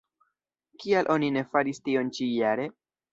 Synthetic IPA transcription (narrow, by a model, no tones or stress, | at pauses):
kialʔo̞nine̞faɾistio̞nt͡ʃijaɾe̞